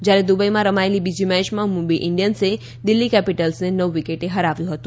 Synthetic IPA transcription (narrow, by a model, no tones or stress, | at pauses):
d͡ʒjaɾed̪ubəimãɾəmaelibid͡ʒimɛ̃t͡ʃmãmubiʔɪɳɖijənse | d̪ɪlːikɛpiʈəlsnenəʋʋikeʈeɦəɾaʋjũɦət̪ũ